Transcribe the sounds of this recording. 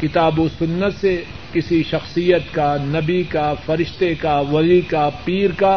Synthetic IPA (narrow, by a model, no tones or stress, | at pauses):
kɪt̪aːbosʊnːət̪se | kɪsiʃɐxsijət̪kanɐbikafɐɾɪʃt̪ekaʋɐlikapiːɾka